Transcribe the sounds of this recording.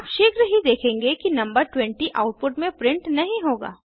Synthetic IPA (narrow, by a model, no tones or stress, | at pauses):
ʃeːkɾəɦid̪eːkʰẽːŋɡekinɐ̃mbəɾʈwɛ̃ɳʈiʔaːʊʈ̚pʊʈmẽpɾɪ̃ɳʈnɐɦĩɦoːɡa̰ː